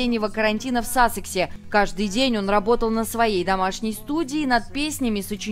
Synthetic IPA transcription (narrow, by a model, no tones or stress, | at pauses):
enʲːɪvəkəɾɐnʲtʲinəfsasɨksʲɪkaʐd̪ɨjdʲenʲo̞nrɐbo̞t̪əlˠnəsvɐjejd̪ɐmaʂnʲɪjst̪udʲɪːnət̪̚pʲesʲnʲɪmʲɪsʊt͡ɕɪ